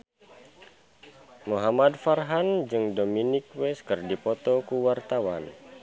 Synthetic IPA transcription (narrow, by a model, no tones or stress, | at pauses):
muɦamadfarɦand͡ʒɨŋdominɪk̚wɛskɨrdipɔt̪ɔkuwart̪awan